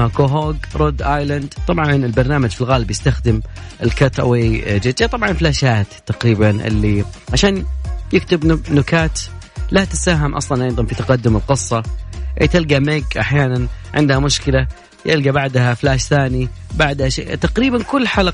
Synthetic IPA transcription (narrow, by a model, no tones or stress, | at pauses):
akoɦoːɡɾˤod̪ʔaːjland̪t̪ˤɑbʕɑnɪlbɑɾˤnaːmad͡ʒfilɣaːlɪbjɪst̪axd̪ɪmʔɪlkat̪ˤʔa̰weːd͡ʒɪd͡ʒat̪ˤɑbʕɑnɪlflaːʃaːt̪t̪ːaqɾiːbanʔɪ̰lːiʕaʃaːnjɪkt̪ɪbnʊkaːt̪ | lat̪ɪsaːɦɪmʔɑ̰sˤlɑnʔɑjðˤɑnfit̪aqɑd̪ːʊmɪlqɨsˤːɑʔt̪ɪlɡameːɡʔaħjaːnanʕɪ̰nd̪hamʊʃkɪla | jɪlɡabaʕd̪haflaːʃθaːni | baʕd̪haʃḛːt̪aqɾiːbankʊlːħal